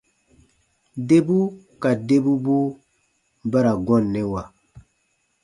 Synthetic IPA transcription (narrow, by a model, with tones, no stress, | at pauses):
de˦bu˦ | ka˨de˦bu˦bu˦ | ba˦ɾa˨ɡɔ̃˦˨nːɛ˨wa˨